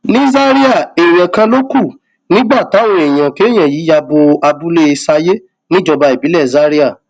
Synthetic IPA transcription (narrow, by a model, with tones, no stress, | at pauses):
nĩ˦za˦ɾi˦a˦˨e˨j̃ã˨kã˧lo˦ku˦˨ | nĩ˦ɡ͡ba˦˨ta˨˦w̃ɔ̃˧e˨j̃ã˨ke˨˦j̃ã˨ji˨˦ja˧bo˧a˧bu˦le˦e˧sa˧je˦ | nĩ˦d͡ʒɔ˧ba˧i˨bi˨˦lɛ˦˨za˦ɾi˦a˦˨